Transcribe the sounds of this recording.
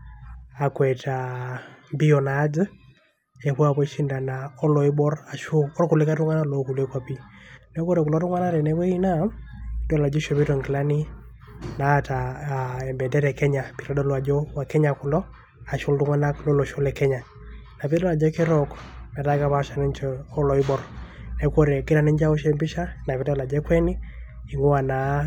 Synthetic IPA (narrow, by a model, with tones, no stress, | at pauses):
a˨kwɛ˨tʰa˨mbi˦ɔ˨naː˨˦d͡ʒɨ˦ | e˨pwa˦pɔ˦i˦ʃi˦nda˨na˨ɔ˦lɔ˨i˦bɔ˦ɾa˨ʃʊ˦ɔ˦rku˨lɪ˦ka˦tʊ˦ŋa˦na˦lɔ˨˦ku˨le˦kwa˦pi˦nɛ˦ko˦ɾɛ˨ku˨lɔ˦tʊ˦ŋa˦na˦ɾɛ˨nɛ˦βɔ˦i˦na˦dɔ˦la˨d͡ʒɔ˦ʃo˨bi˦tɔ˨ŋɡi˨la˦ni˦ | na˨ta˨ɛ˨mbɛ˨dɛ˦ɾɛ˨kɛ˦ɲa˨pi˨ɾɔ˦dɔ˦lwa˨d͡ʒɔ˦wa˨kɛ˦ɲa˨kʊ˨lɔ˦ | a˨ʃʊ˦ldʊ˦ŋwa˦na˦klɔ˦lɔ˨ʃo˦lɛ˨kɛ˦ɲa˨ | na˨pi˦dɔ˦la˨d͡ʒɛ˦kɛ˦ɾɔ˦knɛ˨da˦ka˦βa˦ʃa˨nɛ˦nt͡ʃɔɔ˦lɔ˨i˦bɔ˨ɾnɛ˨˦kwɔ˦ɾɛ˨kɪ˦ɾa˨nɛ˦ɲd͡ʒa˦ɔ˦ʃɛ˦mbɪ˦ʃa˦na˨pi˦dɔ˦la˨d͡ʒɛ˦kwɛ˦nɪ˦ | i˨ŋo˦a˨na˨